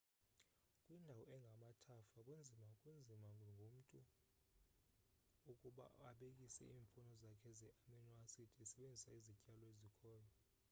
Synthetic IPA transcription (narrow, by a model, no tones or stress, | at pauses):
kʼwindʱawɔɛŋɡʱamatʰafakʼund͡zʱimakʼund͡zʱimaŋɡʱom̩tʼu | ukʼuɓa̰aɓekʼisɛ̰iːɱfʼɔnɔzakʰɛzɛʔaminɔasitʰʼisɛɓend͡zʱisaizicʼalɔezikʰɔːjɔ